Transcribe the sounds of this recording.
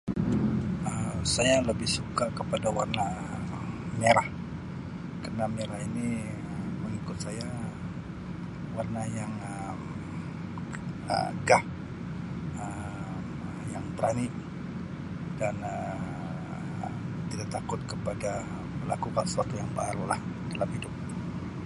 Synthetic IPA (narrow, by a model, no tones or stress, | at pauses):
əmsajaləbɪhsukakəpadawarna | meɾah | kərənameɾahini | əməŋikʊt̪̚saja | warnajaŋ | ə | m | ə̰ɡah | ə | m | jaŋbəɾani | danə | t̪idaʔt̪akʊt̪̚kəpada | məla̰kukansə̥suat̪ujaŋbaaɾulah | dalamhidʊp̚